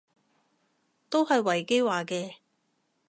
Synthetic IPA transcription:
t̪o˥wɦɐ˨jwɐ˨˩jke˥jwaː˨˩kɛː˧

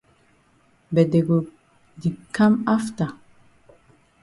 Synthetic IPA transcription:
bɛ˨dɛ˨ɡo˨ | di˨kːa˦ma˦fta˨

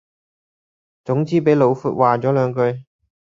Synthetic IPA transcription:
t͡sʊ˨˥ŋt͡siː˨˥pe˨˥jlo˨˧wfuː˨t̚waː˨t͡sɔː˨˥lœː˨˧ŋkɵ˧ɥ

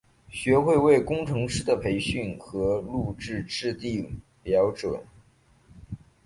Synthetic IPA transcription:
ɕɥɛ˧˥xwe˥˧ɪwe˥˩ɪkʊ˥ŋʈ͡ʂʰɤ˧˥ŋʂɻ̩˥d̪ə˨pʰe˧˥ɪɕy˥˩nxɤ˧˥lu˥˧ʈ͡ʂɻ̩˥˧ʈ͡ʂɻ̩˥˧t̪i˥˩ | ljɑ˧˥ʊt͡swə̰˨˩˦n

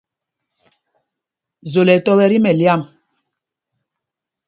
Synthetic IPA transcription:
zo˨lɛ˨tɔ˦bɛ˨ɾi˦mɛ˨lja˦˨m

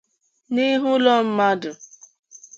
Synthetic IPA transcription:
ni˦ɦʊ˦lɔ˦m̩˦ma˦dʊ˨

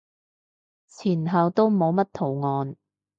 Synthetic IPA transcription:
t͡sʰiː˨˩nɦɐ˨wt̪o˥wmo˨˧wmɐ˥t̚t̪ʰo˨˩wŋɔː˨˧n

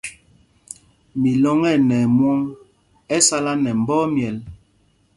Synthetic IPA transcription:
mi˨lɔ˦ŋɛ˦˨nɛ˨mwɔ˦ŋ | ɛ˦sa˦la˦nɛ˨m̩˨bɔː˦mjɛ˨l

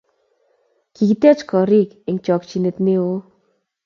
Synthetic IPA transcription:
ki˨ki˦t̪ɛ˦t͡ʃkɔ˨ɾi˦˨k | ɪ˨ŋt͡ʃɔ˨kt͡ʃi˨ne˨t̪̚ne˦o˦

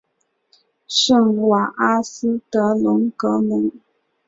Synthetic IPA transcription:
ʃə˥˦˨ŋwa˨ʔa˦s̩˦tə˨˦lu˨˦ŋkə˨˦lu˨˦ŋ

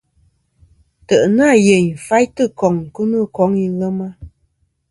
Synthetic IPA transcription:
tə˨ʔnaː˦˨je˨ɲ˨fa˦jtɨ˦˨kɔ˨ŋ˨ku˦nɨ˦˨kɔ˨˦ŋi˦ɣə˦ma˦

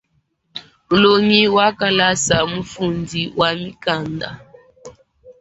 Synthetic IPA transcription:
lo˨ŋi˦wa˦ka˨la˦sa˨mu˦fu˨ndi˨wʔa˨mi˦ka˨nda̰˨

